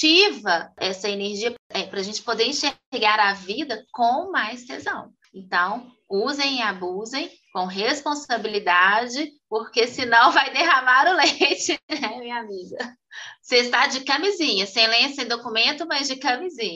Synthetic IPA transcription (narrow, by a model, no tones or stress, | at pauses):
t͡ʃivɐɛsɐeneɾʒiɐpɛpɾɐʒẽnt͡ʃɪ̥pod̪eɾĩʃeɾɡaɾavid̪ɐkõmajst̪ezɐ̃w̃ | ẽnt̪ɐ̃w̃ | uzẽj̃abuzẽj̃ | kõw̃ɦespõsabilid̪ad͡ʒɪpoɾkesɪnɐ̃w̃vajd̪eɦamaɾʊlejt͡ʃɪɛmĩɲamiɡɐ | sest̪ad͡ʒɪkɐmizĩɲɐsẽj̃lẽsẽj̃d̪okumẽnt̪ʊmɐzd͡ʒɪkɐmizĩɲɐ